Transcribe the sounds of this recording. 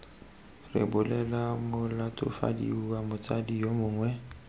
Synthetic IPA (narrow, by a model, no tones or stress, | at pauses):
rɪ̰bʊlɛlamʊlatʼʊ̰fa̰dḭuwamʊt͡sʼadijomʊːŋwɛ